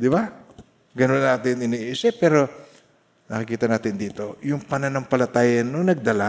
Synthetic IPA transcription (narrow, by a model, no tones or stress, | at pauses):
d̪ɪba | ɡɐnonːaːt̪ɪnɪniːʔisɛpːɛːɾo̞ | nɐkɪkiːt̪ɐnaːt̪ɪnd̪iːt̪o̞jʊŋpɐnanɐŋpɐlɐt̪aːjɐnːoŋnɐɡ̚d̪ɐla